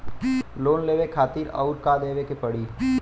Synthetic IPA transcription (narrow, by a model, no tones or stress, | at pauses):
loːnleːʋekʰaːt̪iɾɔ̰ʊɾkad̪eːʋekepɐɽi